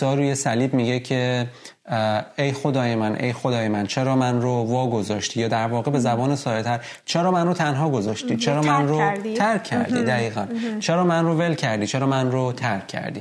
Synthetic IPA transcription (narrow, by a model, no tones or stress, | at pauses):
ɒːɾuːjesæliːbmiɟecʰe̞ | ejxo̞d̪ɒːjemænʔḛjxo̞d̪ɒːjemænt͡ʃʰeɾɒːmænɾovɒːɡo̞zɒːʃt̪ijɒːd̪æɾvɒːɣebe̞zæbɒːnesɒːjet̪ʰæɾ | t͡ʃʰeɾɒːmænrot̪ʰænɦɒːɡo̞zɒːʃt̪it͡ʃʰeɾɒːmænɾoæɾkʰːæ̰ɾd̪ḭd̪æɣiːɣænt͡ʃʰeɾɒːmænrove̞lcʰæɾd̪it͡ʃʰeɾɒːmænrot̪ʰæɾkʰːæ̰ɾd̪ḭ